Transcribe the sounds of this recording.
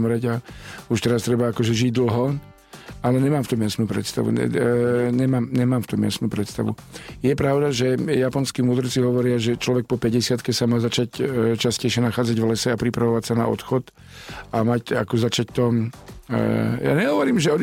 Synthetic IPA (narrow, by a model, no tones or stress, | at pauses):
mɾɛɟauʃt̪ɛɾast̪ɾɛbaakɔʒɛʒiɟd̪l̩ɦɔ | alɛɲɛmaːmft̪ɔmjasnuːpɾɛ̰t̪st̪a̰ʋṵɛ̰ɲɛmaːmɲɛmaːmft̪ɔmja̰snuːpɾɛt̪st̪aʋṵ | jɛpɾaʊd̪aʒɛjapɔnskiːmuːd̪r̩t͡siɦɔʋɔɾɪaʒɛt͡ʃlɔʋɛk̚pɔpɛɟɛsɪat̪kɛsamaːzat͡ʃact͡ʃascɛjʃjɛnaxaːd͡zaɟvlɛsɛapɾipɾaʋɔʋacsana̰ɔ̰t̪xɔt̪ | amaca̰kɔzat͡ʃac̚t̪ɔm | ja̰ɲɛɦɔʋɔɾiːmʒɛɔd̪